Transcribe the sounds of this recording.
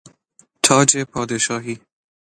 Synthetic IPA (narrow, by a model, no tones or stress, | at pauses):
t̪ʰɒːd͡ʒepʰɒːd̪eʃɒːɦiː